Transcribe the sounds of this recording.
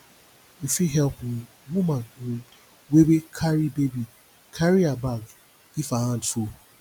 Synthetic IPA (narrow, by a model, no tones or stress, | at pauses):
ifiɦɛlpn̩ | wumann̩ | webekʰaɾibebi | kʰaɾiabaɡ | ifaãndfu